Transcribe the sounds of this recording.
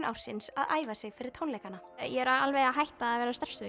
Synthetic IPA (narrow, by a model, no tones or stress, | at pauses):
nʔa̰wr̥sɪnsaðaːjvasɪɣfɪɾɪɾ̥t̪ʰownlɛjkanːajɛɛɾaalvejaɦajht̪aːðvɛːɾast̪ɛr̥st̪ʏ